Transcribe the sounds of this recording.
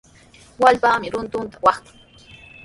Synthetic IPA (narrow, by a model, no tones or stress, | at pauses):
walpaːmɪɾʊnt̪ʊnt̪ḁwɑχt̪ḁ